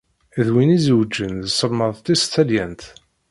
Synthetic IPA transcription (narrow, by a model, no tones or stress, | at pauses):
ðwinizəwd͡ʒːənðsəlməðˤt̪ːist̪ːæljænt̪